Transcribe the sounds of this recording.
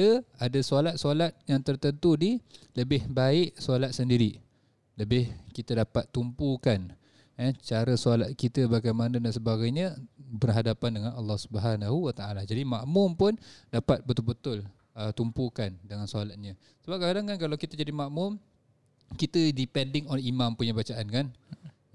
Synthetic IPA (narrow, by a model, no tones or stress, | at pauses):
əadasalat̪̚salat̪̚jaŋt̪ərt̪ənt̪udiləbɪhbaɪʔsoalat̪̚səndiɾi | ləbɪhkit̪ədapat̪ːumpukan | ət͡ʃaɾəsalat̪̚kit̪əbaɡajmanadansəbaɡajɲəbərɦadapandəŋanɑlːɑhsubəɦanaɦuwat̪aalad͡ʒadimaʔmʊmpʊndapat̪̚bət̪ʊlbət̪ʊl | ət̪umpukandəŋansualat̪̚ɲə | səbap̚kadaŋkankalawkit̪əd͡ʒadimaʔmʊm | kit̪ədipɛndɪŋɔnimãmpuɲəbat͡ʃaʔankan